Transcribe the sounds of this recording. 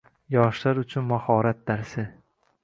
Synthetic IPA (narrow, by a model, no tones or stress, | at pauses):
jɒʃlaɾʊt͡ʃʰʊnmahɒːɾat̪̚d̪aɾsɪ